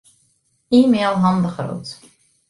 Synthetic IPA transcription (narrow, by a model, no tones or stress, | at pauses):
iːmeːlˠɦɑndəχro̰ːt